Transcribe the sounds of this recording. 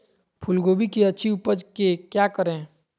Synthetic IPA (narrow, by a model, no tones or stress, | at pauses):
pʰʊlɡoːbikeətːʃʰiupəd͡ʒkekjakəɾẽ